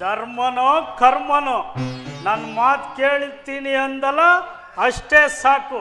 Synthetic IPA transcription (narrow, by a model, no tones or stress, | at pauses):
d̪ʱɐɾmɐnoːkʰɐɾmɐnoːnaːnmaːt̪keːɭit̪ːiːniɐnd̪ɐlːɐ | ɐʂʈeːsaːku